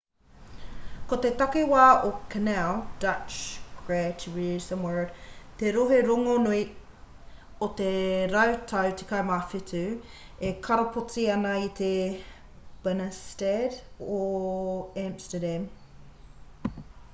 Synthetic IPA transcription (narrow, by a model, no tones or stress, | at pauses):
kot̪et̪ɐkewaːokʰɐnɛld̥ɐt͡ʃɡ̥ɹɛtʰɹisəmwɜ˞dt̪eɾoɦeɾoŋonui | ot̪eɾɐwt̪ʰɐwt̪ʰekʰɐmafɪtʉ | ekʰɐɾopʰot͡siɐnɐit̪e | b̥ənəstedo | æmstədæm